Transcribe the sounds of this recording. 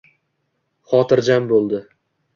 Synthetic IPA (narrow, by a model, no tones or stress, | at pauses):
χɒt̪ʰɪɾd͡ʒambolˠd̪ɪ